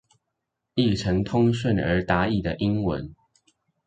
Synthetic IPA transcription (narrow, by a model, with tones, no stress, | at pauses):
i˥˩ʈ͡ʂʰə˧˥ŋt̪ʰʊ˥ŋɕə˥˩nə̰˞˧˥t̪a˧˥˦i˥˩d̪ə˩ʔi˦ŋwə̰˧˦n